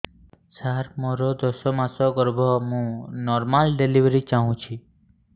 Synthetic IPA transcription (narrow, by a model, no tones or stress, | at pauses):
saɾmɔɾɔd̪ɔsɔmasɔɡɔɾbʱɔmũnɔɾmalɖeliʋɾit͡ʃaɦũt͡ʃʰi